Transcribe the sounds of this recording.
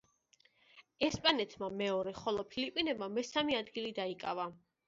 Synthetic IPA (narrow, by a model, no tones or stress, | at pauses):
ɛspʼanɛt̪ʰmamɛɔɾɛχɔlˠɔpʰilipʼinɛbmamɛsamiad̪ɡilid̪aikʼa̰va